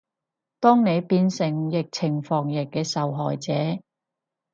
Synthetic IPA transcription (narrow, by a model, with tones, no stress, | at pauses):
t̪ɔː˥ŋne˨˧jpiː˧nsɪ˨˩ŋjɪ˨k̚t͡sʰɪ˨˩ŋfɔː˨˩ŋjɪ˨˩kːɛː˧sɐ˨wɦɔː˨˩jt͡sɛː˨˥